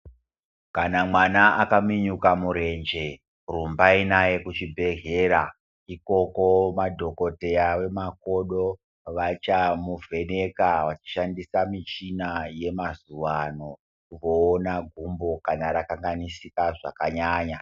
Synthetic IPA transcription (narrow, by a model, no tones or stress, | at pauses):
kanamwanaakamiɲukamuɾe̞nd͡ʒe̞ | rumbainaje̞kut͡ʃibʱe̞ɦe̞ːɾa | iko̞ko̞madʱo̞ko̞te̞aʋe̞mako̞ɗo̞ | ʋat͡ʃamuvʱe̞ne̞kaʋat͡ʃi̥ʃandisamit͡ʃinaje̞mazuʋano̞ | kuʋo̞ːnaɡʱumbo̞kanaɾakaŋɡanisikaʐa̰kaɲaːɲa